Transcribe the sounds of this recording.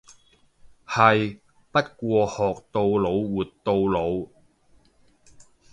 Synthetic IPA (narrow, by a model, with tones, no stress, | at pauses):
hɐ˨j | pɐ˥t̚kʷɔː˧hɔː˨k̚t̪o˧wlo˨˧wwuː˨˩tt̪ːo˧wlo˨˧w